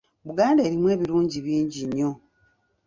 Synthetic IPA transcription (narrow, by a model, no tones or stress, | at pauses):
βuɡaːnde̞ːɾimwe̞ːβiɾuːɲɟiβiːɲɟiɲːo̞